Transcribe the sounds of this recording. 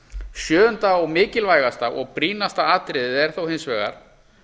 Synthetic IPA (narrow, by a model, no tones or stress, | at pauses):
sjœːʏnt̪aɔɣmɪːcɪlvaːjɣast̪aʔɔ̰ɣpɾiːnast̪aaːt̪ɾɪðɪɛɾ̥θowhensvɛːɣa̰ɾ̥